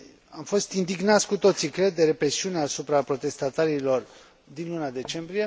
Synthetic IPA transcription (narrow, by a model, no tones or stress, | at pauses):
amfo̞st̪ind̪iɡnat̪sʲkut̪o̞t̪sikɾe̞d̪ːe̞ɾe̞pɾe̞siuneasupɾapɾo̞t̪e̞st̪at̪aɾilo̞r | d̪inlunad̪e̞t͡ʃe̞mbɾije̞